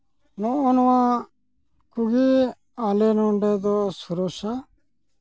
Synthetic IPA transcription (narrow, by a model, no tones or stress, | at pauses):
nɔɔnwã | kuɡi | alenɔɳɖed̪ɔsuɾoʃa